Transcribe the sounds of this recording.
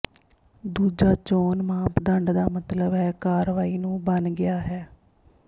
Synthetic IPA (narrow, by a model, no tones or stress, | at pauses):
d̪uːd͡ʒaːt͡ʃoːnmãːpd̪əɳɖd̪aːmət̪ləbɦɛːkaːɾʋaːiːnũːbənɡɪaːɦɛː